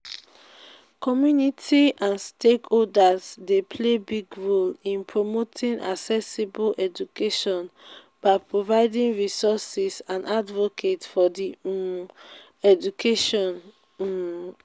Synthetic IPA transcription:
kɔmjunitʰiʔãnstekoldazdepʰlebiɡɹolĩnpʰɹomotʰĩŋʔa̰sɛsibolʔɛd͡ʒukeʃɔ̃n | b̥aɪpɹovaɪdĩŋɹisɔsisãndadvokʰetfɔdi | ɛd͡ʒukʰeʃɔ̃n

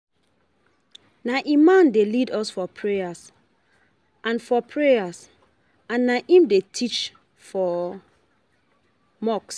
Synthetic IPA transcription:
naʔemãndelidɔsfɔpʰɹejas | ʔãnfɔpʰɹejas | ãnːaʔĩmdetʰit͡ʃ | fɔ | mɔks

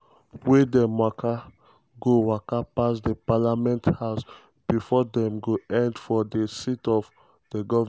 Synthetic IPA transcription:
wedɛ̃mwakʰa | ɡowakapasdepalamɛ̃nthaʊs | b̥ifɔdɛ̃mɡoɛ̃ndfɔdesitɔv | d̥əɡɔv

